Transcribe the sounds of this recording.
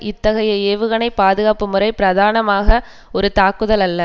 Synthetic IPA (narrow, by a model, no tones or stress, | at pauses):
ʔɪt̪ːɐɣɐjɐeːʋɯɣɐnɐɪpaːðɯɣaːpɯmɯrɐɪpɪɾɐðaːnɐmaːɣɐ | ɔɾɯt̪aːkɯðɐlɐlːɐ